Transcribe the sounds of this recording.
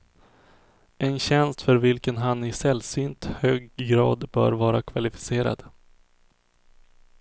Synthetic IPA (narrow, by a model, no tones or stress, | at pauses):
ɛnɕɛnst̪fœɾvɪlkənɦanɪsɛlsyːnt̪høːɡːɾɑ̰ːd̪bœ̰ːɾvɑːɾakʰvalɪfɪ̥seːɾa̰d̪̥